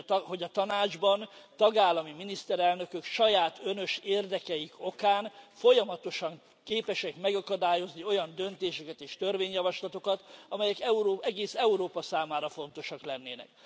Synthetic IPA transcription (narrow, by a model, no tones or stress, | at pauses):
ɦo̞ɟɒt̪ɒnaːd͡ʒbɒnt̪ɒɡaːlːɒmiminist̪ɛɾɛlnø̞køkʃɒjaːt̪ø̞nø̞ʃeːrd̪ɛkɛjiko̞kaːnfo̞jɒmɒt̪o̞ʃɒŋ | keːpɛʃɛkmɛɡɒkɒd̪aːjo̞znio̞jɒnd̪ø̞nt̪eːʃɛkɛt̪eːʃt̪ørveːɲjɒvɒʃlɒt̪o̞kɒt̪ɒmɛjɛkɛuɾoːɛɡeːsɛuɾoːpɒsaːmaːɾɒfo̞nt̪o̞ʃɒklɛnːeːnɛ̰k̚